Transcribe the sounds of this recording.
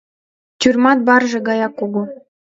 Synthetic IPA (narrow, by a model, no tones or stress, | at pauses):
t̪ʲyrmɑt̪̚bɑrʒĕɡɑjɑkːuɡu